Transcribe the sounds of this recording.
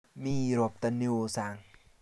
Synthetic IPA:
miː˧˩ɾo˧˩p̚t̪a˧ni˧˩˧saː˨˧˩ŋ

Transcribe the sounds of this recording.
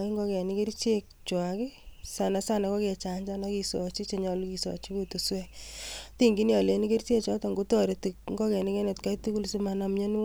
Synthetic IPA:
i˦ŋɡɔ˦kɛ˨ni˦ke˦ɾt͡ʃe˦k̚t͡ʃwa˨kɪ˦sa˨na˨sa˦na˨kɔ˦kɛ˨t͡ʃa˨ɲd͡ʒa˦na˦ki˧sɔ˨t͡ʃi˦t͡ʃe˨ɲɔ˧luki˨sɔ̰˨t͡ʃi˦ku˦tu˨swɛ˦ti˦ŋɡi˦n˦jɔ˨le˨ni˦ke˦ɾt͡ʃe˦t͡ʃɔ˦ta˨ŋɡo˦tɔ˦ɾe˨ti˨kŋɡɔ˦kɛ˨ni˦kɛ˦ne˨tka˦jtu˦ku˦lsi˦ma˨na˨mɲe˦n˦

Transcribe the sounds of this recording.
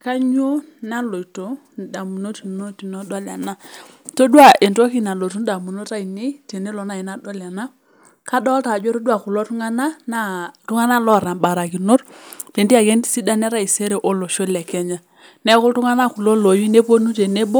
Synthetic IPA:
ka˦ɲo˦ | na˦lo˨i˨to˨˦˨ | da˨mu˨no˦ti˨no˦ti˨nɔ˦dɔ˦la̰˨na˦to˦dwa˦˨ʔe˨nto˦ki˦na˨lo˨tu˦n˦da˨mu˨no˦ta˦i˨ne˦te˨ne˦lɔ˨na˦˨i˨na˦dɔ˦la˨na˦ | ka˦dɔ˦lta˨d͡ʒo˦ɾo˦du˦a˦˨ku˨lɔ˦tu˦ŋa˦na˦na˦tu˦ŋa˦na˦lɔ˦˨ɾa˨ba˨ɾa˨ki˨no˦ɾte˨ndi˦a˨ke˦ni˦si˦da˦nɛ˦ɾa˦˨i˨se˦ɾe˨ʔo˦lo˨ʃo˦lɛ˨kɛ˦ɲa˨ | nɛ˦ku˦tu˦ŋa˦na˦ku˨lo˦lo˨ji˦ne˦po˦nu˦te˨ne˦bo˦

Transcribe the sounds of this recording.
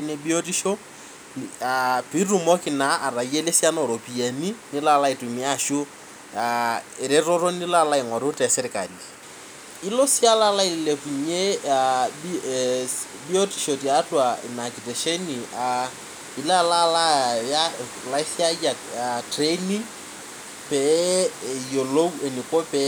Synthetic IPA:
ne˦bi˦o˦ti˦ʃo˦ | api˦ru˨mo˦kɪ˨na˨a˨ra˨i˦e˦le˦si˦a˦nɔ˨ɾo˨pi˨a˨ni˦nɪ˦la˦la˦ɪ˨tʊ˨ɲɪ˦a˦ʃʊ˦ | aɪ˨ɾɪ˦ɾo˦ɾo˦nɪ˦la˦la˦ɪ˨ŋɔ˨ɾʊ˦tɛ˨sɪ˦ɾɪka̰˨li | ɪ˦lo˦si˦a˦la˦la˦ɪ˨lɪ˨le˨fu˨ɲe˦ | bio˦tiʃo˨tija˦twa˨ɪ˨na˨ki˨te˨ʃe˦nia˨ | ɪ˨la˦lala˦ja˦ | la˦ɪθja˦a˨ | tʰreni˦ | pɛ | jo˨lo˦ue˨ni˨ko˦pɛ˨

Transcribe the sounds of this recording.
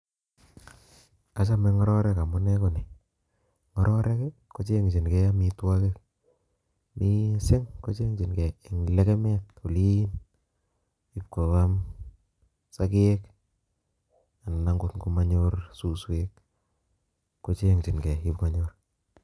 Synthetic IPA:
a˨t͡ʃa˦mɛ˧ŋɔ˦ɾɔ˦ɾɛ˦ka˨mʊ˦nɛ˦ku˨ni˨ | ŋɔ˦ɾɔ˦ɾɛ˦kɛ˦ko˦t͡ʃe˦ŋt͡ʃi˨nkɛ˦ja˦mi˦twa˦ke˦k̚ | mi˦sɪ˦ŋko˦t͡ʃe˦ŋt͡ʃi˨nkɛ˨i˨ŋ˨le˦kɛ˦mɛ˦t | u˨li˦n | i˦p̚ko˨ka˦m | sakɪ˦e˦k | a˨n˨na˦ŋɡʊ˦tku˦ma˦ɲo˦rsu˨swe˦k | kːo˦t͡ʃe˦ŋt͡ʃi˨nkɛ˨i˦pko˨ɲo˦r

